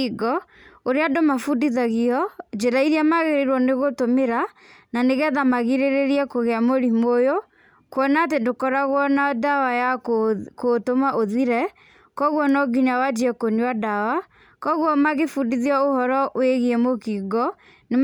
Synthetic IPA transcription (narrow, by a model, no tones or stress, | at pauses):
iɡɔ | oɾeadomafudiðaɣiɔd͡ʒeɾaiɾiamaɣeɾiɾwɔneɣotomeɾa | naneɣɛðamaɣiɾeɾeɾiɛkoɣeamoɾimojo | kwɔnat̬endokɔɾaɣwɔnadawajakotomaʔoðiɾɛ | kɔɣwɔnɔɡiɲawad͡ʒiɛkoɲuadawa | kɔɣwɔmaɣefudiðiɔohɔɾɔʔweɣiɛmokiɡɔ | ne